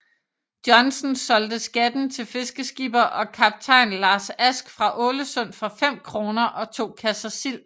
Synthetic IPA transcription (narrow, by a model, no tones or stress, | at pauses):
d̥jɒ̽nsn̩sɒ̽ld̥əsɡ̥æd̥n̩t͡sʰe̝lfe̝sɡ̥əsɡ̥ib̥ɐʔɒ̽kʰɑb̥̚t͡sʰɑ̈ɪnlɑ̈ːsæsɡ̥fʁɑ̈ʔɔ̽ːləsɔn̰fɒ̽fem̰kʰʁo̝ːnɐʔɒ̽t͡sʰo̝̰ːkʰæsɐsil̰